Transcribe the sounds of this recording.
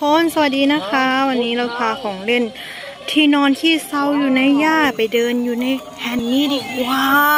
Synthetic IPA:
pʰo˧˥˨nsa˧a˨˩t̪̚diː˧na˦˥kʰa˦˥wa˧nːiː˦˥ɾa˧wpʰaː˧kʰɔː˨˩˦ŋle˥˧˩n | t̪ʰiː˥˩nɔː˧nt̪ʰiː˥˩sa˥˩wjuː˨˩na˧jːaː˥˩pa˨˩jdɤː˧njuː˨˩na˧j | hʰɛ˨˩nːiː˦˥˩di˨˧˩waː˧˦˥

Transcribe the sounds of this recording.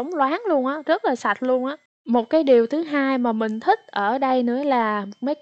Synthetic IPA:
wŋ͡mlwaː˨˦ŋlu˧ənʔaː˨˦zə˦˥t̚laː˨˩sa˨˩t̟̚lu˧ənʔaː˨˦ | mo˨˩t̚kaː˨˦jɗi˨˩əwt̪ʰɨ˨˦ɦaː˧jmaː˨˩mï˨˩ŋ̟t̪ʰï˦˥k̟̚ʔəː˧˩ɗə˧jnɨ̰˧˥əlaː˨˩mo˨˩t̚mə˨˦j

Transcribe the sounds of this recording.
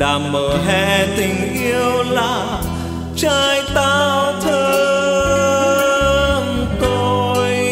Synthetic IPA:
ɗaː˨˩mməː˨˩ɦɛ˧˩t̪ï˨˩ŋ̟ʔi˧əəwlaː˨˩ | t͡ɕaː˧jt̪aː˧˩˧wt̪ʰəː˧ | mt̪o˧j

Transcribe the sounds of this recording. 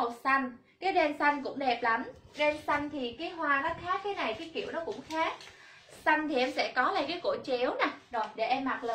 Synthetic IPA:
o˨˩t̚sa˧jŋ̟ | kaː˨˦jɗe˧nsa˧jŋ̟kʊ̰˧˥ŋ͡mɗe˨˩p̚la˨˦mɗe˧nsa˧jŋ̟t̪ʰi˨˩kaː˨˦jɦwaː˧nɔ˨˦xaː˦˥kːaː˨˦jna˨˩jkaː˨˦jkḭ˧˩˨əwnɔ˨˦kʊ̰˧˥ŋ͡mxaː˦˥k̚ | sa˧jŋ̟t̪ʰi˨˩ʔɛ˧msɛ̰˧˥kɔ˨˦laː˨˩kaː˨˦jko̰˧˩t͡ɕe˨˦əwnaː˨˩zo˨˩jɗe˧˩ʔɛ˧mːa˨˩t̚ləː˧˨

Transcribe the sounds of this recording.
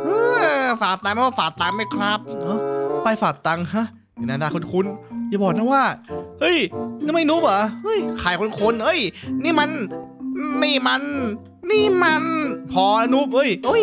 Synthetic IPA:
ʔɯː˧faː˨˩t̪a˧ŋma˧˥˩wa˧˥˩faː˨˩t̚t̪a˧ŋma˧˩jkʰɾa˦˥p̚ʔɤ˧˩pa˧jfaː˨˩t̚t̪ːa˧ŋa˦˥ | a˨˩naː˧daː˧kʰo˧nkʰu˧njaː˨˧˩bɔː˨˩k̚na˧˥˩waː˥˩hɤ˦˥˩jniː˧˥˩ma˥˩jnu˦˥˩p̚a˧˩hɤ˧˥˩jkʰaː˨˩jkʰo˧nkʰo˧nʔɤ˦˥˩jniː˧˥˩ma˧n˧ | niː˧˩ma˧n | niː˥˩ma˧npʰɔː˧na˧nu˦˥p̚hɤ˧˥˩jʔɤ˦˧˥j

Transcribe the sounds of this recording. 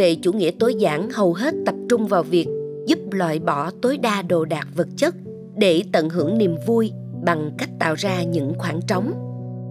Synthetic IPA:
ḛ˧˨˩t͡ɕṵ˧˩ŋḭ˧˥ət̪o˨˦jzaː˧˩ŋhə˨˩wɦe˦˥t̚t̪ə˨˩p̚t͡ɕʊ˧ŋ͡mvaː˨˩wvi˨˩ək̚zu˦˥p̚lwa̰ː˧˨jɓɔ˧˩t̪o˨˦jɗaː˧ɗo˨˩ɗaː˨˩k̚və˨˩t̚t͡ɕə˦˥t̚ | ɗe˧˩t̪ə̰˧˨nɦɨ˧˩əŋni˨˩əmvu˧j | ɓa˨˩ŋka˦˥jk̟̚t̪a̰ː˧˨wzaː˧ɲɨ̰˧˥ŋxwaː˧˩ŋt͡ɕə˨˦wŋ͡m

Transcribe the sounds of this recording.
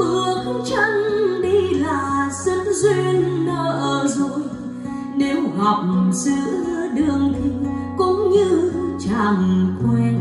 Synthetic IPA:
ɓɨ˨˩ək̚t͡ɕə˧ŋɗi˧laː˨˩sə˧˦nzwi˧ənːəː˧˦ʔəː˨˩zo˧˩j | ne˨˦wɣɔ˨˩k͡p̚zɨ˧˨˦zɨ˧˦ɗɨ˨˩əŋt̪ʰi˧kʊ̰˧˥ŋ͡mɲɨ˧t͡ɕaː˧˩m˨˩kwɛ˧n

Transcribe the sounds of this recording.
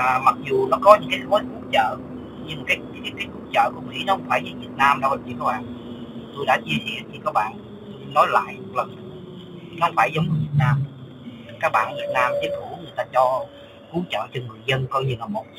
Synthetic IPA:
ma˨˩k̚zu˨˩nɔ˨˦kɔ˨˦ɲɨ̰˧˥ŋkaː˨˦˨vɔ˨˦ku˧˩ət͡ɕə̰ː˧˨ | ɲɨ˧ŋkaː˨˦jkaː˨˦jku˧˩˦t͡ɕə̰ː˧˨ku˧˩əmḭ˧˥nɔ˨˦hə˧˦wŋ͡mfaː˧˩jzi˨˩vi˨˩ət̚naː˧mɗo˧˨˩i˨˩kɔ˧˦wʔa˧˨˩nt̪o˧jɗa̰˧˥t͡ɕɛ˧sɛ̰˧˩əi˨˩kɔ˨˦˥k̚ɓa̰ː˧˨n | nɔ˨˦jla̰ː˧˨jm˨˩k̚lə˨˩˨ | nɔ˦hə˧wŋ͡mfaː˧˩jzə˨˦wŋ͡mɲɨ˧˩vi˨˩ət̚naː˧m˩ | kaː˦˥k̚ɓa̰ː˧˨nvi˨˩ət̚naː˧mt̪i˨˦˥t̚hu˧˩˦ŋɨ˨˩əjt̪aː˧t͡ɕɔ˧ | ku˨˦ət͡ɕə̰ː˧˨t͡ɕɔ˧ŋɨ˨˩əjzə˧nkɔ˧jɲɨ˧laː˨˩mo˨˩t̚

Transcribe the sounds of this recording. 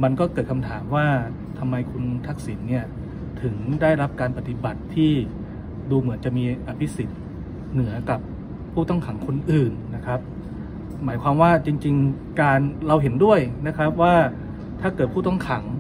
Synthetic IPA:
ma˧nkɔː˥˩kɤː˨˩t̪̚kʰa˧mt̪ʰaː˩˦mwaː˥˩ | t̪ʰa˧mːa˧jkʰu˧nt̪ʰa˦˥k̚si˩˦nːi˥˩ɐ | t̪ʰɯ˩˦ŋdaː˥˩jɾa˦˥p̚kaː˧npa˧˩t̪i˨˩ba˨˩t̪ʰːiː˥˩ | duː˧mɯ˩˦nt͡ɕa˨˩ʔmiː˧ʔa˧pʰi˦˥si˨˩t̪̚ | nɯ˩˦ɐka˨˩p̚ʰː | uː˥˩t̪ɔ˥˩ŋkʰa˩˦ŋkʰo˧nʔɯː˨˩nːa˦˥kʰɾa˦˥p̚ | maː˩˦jkʰwaː˧mwaː˥˩t͡ɕi˧ŋt͡ɕi˧ŋ | kaː˧nɾa˧wɦe˩˦ndu˥˩əjna˦˥kʰa˦˥p̚waː˥˩ | t̪ʰaː˥˩kɤː˨˩t̪̚pʰuː˥˩t̪ɔ˥˩ŋkʰa˩˦ŋ

